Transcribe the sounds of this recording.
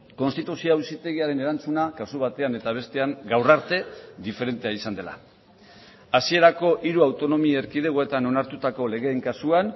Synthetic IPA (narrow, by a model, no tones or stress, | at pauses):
ko̞nst̪it̪usioawsit̪e̞ɣiaɾe̞ne̞ɾant͡sunakasuβ̞at̪e̞ane̞t̪aβ̞e̞st̪e̞aŋɡawraɾt̪e̞ðife̞ɾe̞nt̪eaisand̪e̞la̰ | asie̞ɾako̞ʔiɾuawt̪o̞no̞mieɾkið̞e̞ɣoe̞t̪ano̞naɾt̪ut̪ako̞le̞ɣ̞e̞ːŋkasuan